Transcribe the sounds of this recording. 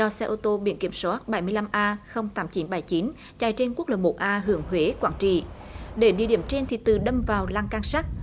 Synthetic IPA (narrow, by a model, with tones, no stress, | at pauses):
zɔ˧sɛ˧ʔo˧t̪o˧ɓḭ˧˩ənki˧˩əmswaː˦˥t̚ɓa˧˩jmɨ˧əjla˧mʔaː˧xə˧wŋ͡mt̪aː˨˦mt͡ɕi˨˦nɓa˧˩jt͡ɕi˨˦n | t͡ɕa˨˩jt͡ɕe˧nku˦˥ək̚ləː˨˩mo˨˩t̚ʔaː˧ɦɨ˧˩əŋɦwe˨˦kwaː˧˩nt͡ɕḭ˧˨ | ɗe˧˩˦ɗḭ˧˩əɗi˧˩əmt͡ɕe˧nt̪ʰi˨˩t̪ɨ˨˩ɗə˧mvaː˨˩wlaː˧ŋkaː˧ŋsa˦˥k̚